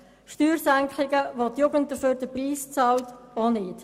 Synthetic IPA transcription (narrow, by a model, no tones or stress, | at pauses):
ʃtyːɾsæŋkχlɪɡəʋotjuɡənt̚d̥əføːɾd̥əpriːst͡sɑltonɪːt